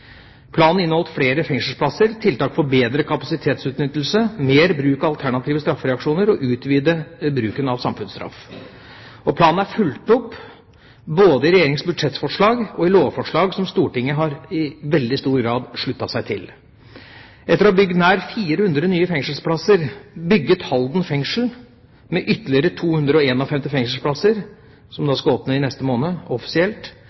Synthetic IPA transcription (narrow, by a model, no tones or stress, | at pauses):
pʰlɑːnn̩ɪnɔlt̪fɽeːɾəfɛŋsəl̩spʰlɑsəɾt̪ʰɪlt̪ɑːkfɔɾbeːd̪ɾəkʰɑpɑsɪt̪ʰeːt̪sʉːt̪nʏt̪ːlsəmeːɾbɾʉːkəɑlt̪ʰæɳɑt̪ʰiːʋəst̪ɾɑfːɾɛɑkʂuːnəɾɔʔʉːt̪ʋiːd̪əbɾʉːkənɑʋsɑmfʉnst̪ɾɑ̰f | ɔpʰlɑːnn̩æɾfʉlt̪ɔpː | boːd̪əɪɾɛjeːɾɪŋsbʉd̪ʂɛt̪ːfɔʂɭɑːɡɔɪloːʋfɔʂɭɑːɡsɔmst̪uːʈɪŋːəɦɑɾɪʋɛld̪ɪst̪uːɾɡɾɑːd̪ʂɭʉt̪ːɑsæɪt̪ʰɪl | ʔɛt̪ːəɾɔɔbʏɡːənæːɾfiːɾəhʉnd̪ɾəɔnyːəfɛŋʂəlspʰlɑsəɾbʏɡːət̪hɑld̪n̩fɛŋʂl̩ | mɛʔʏt̪ːəlɪəɾət̪ʰuːhʉnd̪ɾəɔeːnɔfɛmt̪ɪfɛŋʂl̩pʰlɑsəɾ | sɔmd̪ɑːskɑɔpnəɪnɛst̪əmoːnəɔfɪ̥sɪɛlt̪